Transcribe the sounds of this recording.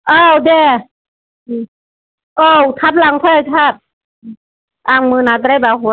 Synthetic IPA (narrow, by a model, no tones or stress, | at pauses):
ʔɤːwdɛː | ʔɤːwt̪ʰap̚laŋt̪ʰɔajt̪ʰaːp̚ː | ʔaːŋmɯːnaːt̪aɾabaːwɦo